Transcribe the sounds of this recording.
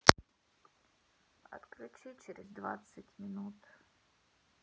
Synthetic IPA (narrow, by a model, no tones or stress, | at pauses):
ɐ̰t̪klʲʊt͡ɕit͡ɕeɾʲɪzd̪va̰t̪sɨtʲmʲɪnut̪